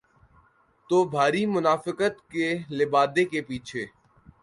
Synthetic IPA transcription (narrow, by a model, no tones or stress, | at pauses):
t̪oːbʱaːɾiːmʊnaːfɪkət̪kelɪbaːd̪ekepiːt͡ʃʰeː